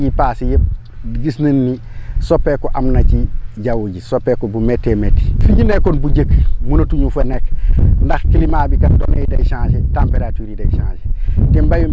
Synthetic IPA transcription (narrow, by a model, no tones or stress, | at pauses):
jipaːsijep̚ | diɡisnɐnːi | sopːekɔʔamnɐciɟawuɟisopːekobumetːemetːi̥fiɟinekonbuɟəkmunotuɲufenekndɐxkilimaːbikɐndo̰nḛdajʃãːʃetampeɾatuːɾidajʃã̰ːʃetimbaju